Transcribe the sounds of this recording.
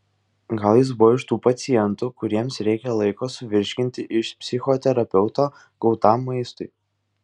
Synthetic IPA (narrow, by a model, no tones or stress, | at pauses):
ɡɐlˠjɪs̬bʊʋɔːɪʃt̪uːpɐt̪sʲɪjɛnt̪ʊkʊɾʲiɛmsɾʲɛɪkʲɛlˠɐɪkoːsʊʋʲɪɾʲʃʲkʲɪnʲt̪ʲɪʔɪʃpʲsʲɪxɔːt̪ʲɛɾɐpʲɛʊt̪oː | ɡ̥ɔʊt̪aːmːɐɪst̪ʊɪ